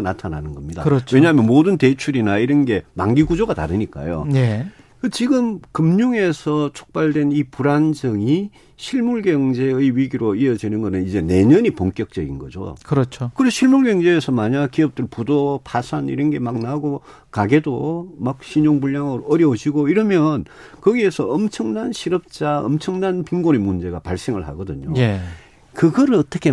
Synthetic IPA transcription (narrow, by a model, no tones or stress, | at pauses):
natʰananɯnɡʌmɲida̰ɯɾʌt͡ɕwe̞ɲaɦamjʌnmodɯnte̞t͡ɕʰuɾinaiɾʌnɡe̞maŋɡiɡud͡ʑoɡata̰ɾɯɲik͈a̰jo̰nekɯt͡ɕiɡɯmkɯmɲuŋe̞sʰʌt͡ɕʰo̥k̚p͈aɭdwe̞nipuɾand͡ʑʌŋi | ɕʰiɭmuɭɡjʌŋd͡ʑe̞eɥiɡiɾoiʌd͡ʑinɯnɡʌnɯnid͡ʑe̞ne̞ɲʌɲipoŋk͈jʌk̚t͡ɕ͈ʌɡinɡʌ̰d͡ʑo̰kɯɾʌt͡ɕʰokɯɾesʰɕʰiɭmuɭɡjeŋd͡ʑe̞ːsʰʌmaɲakiʌp̚t͈ɯɭpudopʰasʰanḭɾʌnɡe̞mak̚naɡo | kaɡe̞domak̚ɕʰiɲoŋbuɭjaŋɯɾoʌɾjʌud͡ʑiɡoiɾʌmjʌn | kʌɡiesʰʌʌmt͡ɕʰʌŋnanɕʰiɾʌp̚t͡ɕ͈aʌ̰mt͡ɕʰʌŋnanpiŋɡonemund͡ʑe̞ɡapaɭs͈e̞ŋɯɭha̰ɡʌdɯɲo̰je | kɯɡʌɾɯɭʌt͈ʌkʰe